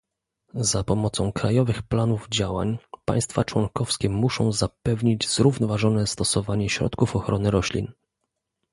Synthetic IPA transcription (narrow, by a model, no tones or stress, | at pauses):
zapɔmɔt̪sɔ̃w̃kɾajɔvɘxplanuvd͡ʑawa̰ɲpa̰j̃st̪fat͡ʂwɔŋkɔfskʲɛmuʂɔ̃w̃zapɛvɲid͡ʑz̥ɾuvnɔvaʐɔnɛst̪ɔsɔvaɲɛɕɾɔ̰t̪kufɔxɾɔnɘɾɔɕlʲḭn